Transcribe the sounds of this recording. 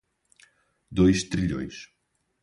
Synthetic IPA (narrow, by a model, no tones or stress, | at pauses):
d̪ojʃt̪ɾiʎõ̰j̃ʃ